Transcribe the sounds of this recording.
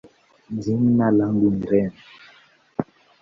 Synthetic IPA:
nziŋnalaŋɡuniɾɛn

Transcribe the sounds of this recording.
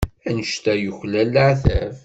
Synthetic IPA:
ænəʃt̪æjʊçlælaʕθæv

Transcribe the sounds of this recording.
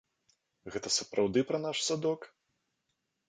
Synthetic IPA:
ɣɛt̪ɐsɐpɾawd̪ɨpɾɐnaʂsad̪ɔk

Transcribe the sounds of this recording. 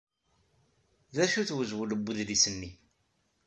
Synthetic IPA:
ðæʃuθwəzwələbːuððisənːi

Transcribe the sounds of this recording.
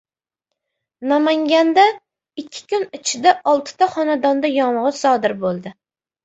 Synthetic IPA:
namaŋɡʲand̪a | ɪkʲʰːɪ̥kʲʊnɪt͡ʃʰɪd̪aʔɒlˠt̪ʰɪ̥t̪ʰaχɒnad̪ɒnd̪ajɒɴʁɨsɒd̪ɪɾbolˠd̪ɪ

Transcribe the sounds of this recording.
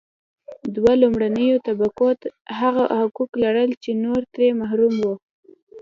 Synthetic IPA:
d̪walumɽanəjot̪abakot̪ɦaɣahʊkuklaɽəlt͡ʃenoɾt̪ɾemaɦɾumwo

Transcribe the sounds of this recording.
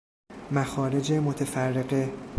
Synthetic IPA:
mæxɒːɾe̞d͡ʒemot̪ʰefærːe̞ɢe

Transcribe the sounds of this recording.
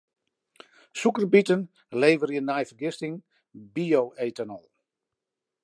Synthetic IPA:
sukərbitən | leːvərjənajfərɡɪstɪŋ | bioːʔetənəlˠ

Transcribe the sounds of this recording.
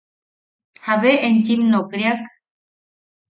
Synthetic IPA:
haʋeent͡ʃimnokɾiak

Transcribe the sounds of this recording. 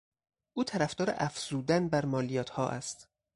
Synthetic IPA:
ʔuːt̪ʰæɾæfd̪ɒːɾḛʔæfz̥uːd̪ænbæɾmɒːlijɒːt̪ʰhɒːʔæ̰st̪

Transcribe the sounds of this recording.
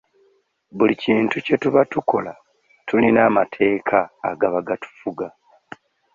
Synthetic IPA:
βuliciːntuce̞tuβatuko̞la | tulinaːmatʰe̞ːkʰa̰ːɡaβaɡatu̥fuɡa

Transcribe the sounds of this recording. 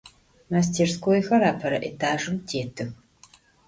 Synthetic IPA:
mas̬tʰeːrskʷoːjxɐɾaːpʰɐɾɐ̰ʔetʰaːʒɨmtʰeːtʰɨx

